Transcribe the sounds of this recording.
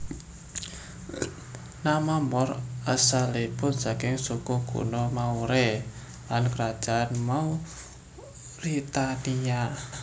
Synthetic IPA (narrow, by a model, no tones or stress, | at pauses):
namamɔrasaleb̥ʊnsakɪŋsukuɡ̥ṵnɔmauɾe | lankəɾad̥ʒ̥aʔanmau | rit̪ania